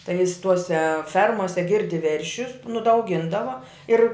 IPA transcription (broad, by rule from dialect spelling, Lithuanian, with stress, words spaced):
tɐɪ jɪs ˈtuɔsʲɛ ˈfʲɛrmoːsʲɛ ˈɡʲɪrʲdʲɪ ˈʋʲɛrʲʃʲʊs nʊ dɐ ɐʊˈɡʲɪndɐʋɐ ˈɪr